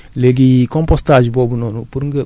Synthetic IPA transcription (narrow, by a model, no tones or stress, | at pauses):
leɡikõmpostaʒibobunonupuɾŋɡɐ